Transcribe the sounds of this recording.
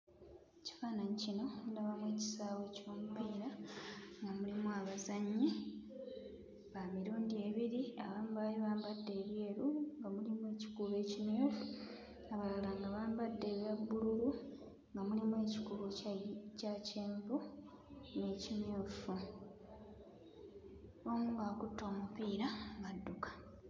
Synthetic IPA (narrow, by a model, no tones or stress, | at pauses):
eci̥faːnaɲicino̞daβamwe̞ːci̥saːwe̞co̞ːmupiːɾaŋɡamulimuaβazaɲːi | βamiɾuːndie̞ːβiɾiaβaːmubaliβaːmbadːe̞ːβje̞ːɾuŋɡamulimue̞ːci̥kuβe̞ːcimjoːfu | aβalalaŋɡaβaːmbadːe̞ːβjabːuɾuɾu | ŋɡamulimwe̞ːci̥kuβocaceːmbu | ne̞cinjoːfu | omuːŋɡaːkutːo̞ːmupiːɾaŋɡadːukḁ